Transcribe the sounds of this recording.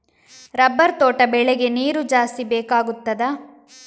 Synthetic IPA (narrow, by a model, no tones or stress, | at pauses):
ɾɐbːɐɾt̪oːʈɐbɛɭɛɡe̞niːɾud͡ʒaːst̪ibɛːkaːɡut̪ːɐd̪ɐ